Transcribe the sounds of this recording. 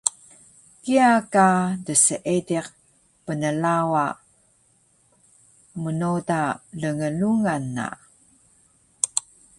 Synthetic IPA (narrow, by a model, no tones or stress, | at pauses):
kiakadəsəʔediq̚ | pənəlawa | mənodaɮəŋəluŋanːa̰